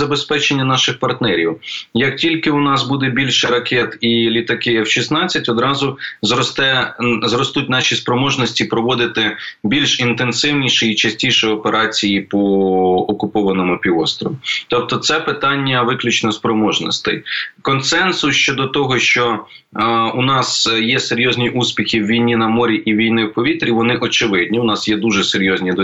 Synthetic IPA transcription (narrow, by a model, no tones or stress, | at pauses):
zɐbespɛt͡ʃenʲːɐnɑʃɪxpɐrt̪nɛɾʲiwjɐk̚tʲilʲkɪʊnɑsbud̪ɛbʲilʲʃɛɾɐkʰɛt̪ilʲit̪ɐkɪjɐwʃisnɑt͡sʲːɐtʲɔd̪ɾɑzʊzɔt̪ɛzrɔst̪utʲnɑʃʲispɾɔmɔʒnɔsʲtʲipɾɔʋɔd̪ɪt̪ɪbʲilʲʃint̪ensɪwnʲiʃɛit͡ʃɐsʲtʲijʃɛɔpeɾʔɑt͡sʲijipɔːkʊpɔʋɐnɔmʊpʲiʋɔst̪ɾɔʋit̪ɔp̚t̪ɔt̪sɛpɪt̪ɑnʲːɐʋɪklʲʊt͡ʃnɔspɾɔmɔʒnɔ̰st̪ɪ̰jkɔnsɛnsʊʃt͡ʃɔd̪ɔt̪ɔɦɔʃt͡ʃɔ | ʊnɑsjɛseɾʲjɔzʲnʲiʔusʲpʲixʲiwːʲijnʲinɐmɔɾʲiʔiʋʲijnɪwpɔʋʲit̪ɾʲiʋɔnɪʔɔt͡ʃɪʋɪd̪ʲnʲiwnɑsjɛd̪uʒɛseɾʲjɔzʲnʲid̪